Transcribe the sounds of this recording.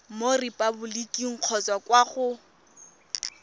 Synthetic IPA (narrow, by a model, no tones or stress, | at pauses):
moripʼabʊlikʼiŋ̩q͡χʰɔt͡sakwaχʊ